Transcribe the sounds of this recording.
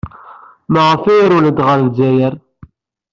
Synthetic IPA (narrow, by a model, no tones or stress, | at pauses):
məʁəfijɾuləd̪ʁəɾðd͡ʒæjəɾ